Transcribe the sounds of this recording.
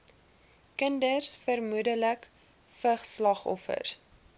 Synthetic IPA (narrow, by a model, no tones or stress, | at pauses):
kəndərsfərmudələk | fəχslɑχɔ̰fə̰rs